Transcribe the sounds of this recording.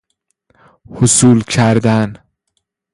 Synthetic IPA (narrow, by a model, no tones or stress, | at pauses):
hosuːlkcʰæɾd̪æn